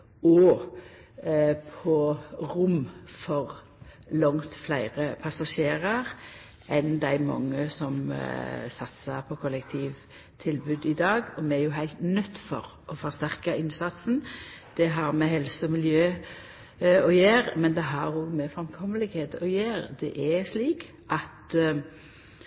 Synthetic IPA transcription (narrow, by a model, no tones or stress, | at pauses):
ɔ | pʰɔɾʊmfɔʁ | lɔŋt̪flæɪʁəpʰɑsɑʃeːʁɑʁ | ɛnd̪æɪmɑ̰ŋːəsɔm | sɑt̪səpʰɔkʰɔlɛkt̪ʰiːʋ | t̪ʰɪlbʉːd̪ɪd̪ɑːɡɔmɛæjʊɦæɪlt̪nœt̪ːfɔ̰ʁʔɔfɔʁst̪æʁkɑɪnsɑt̪snd̪̥ɛɦɑɾmɛhɛlsəɔmɪljøː | ɔjeːʁmɛnd̪ɛɦɑɾoːɡmɛfʁɛmkʰɔməlɪɡheːd̪ɔjeːɾd̪ɛ̰ʔæsliːk | ʔɑt̪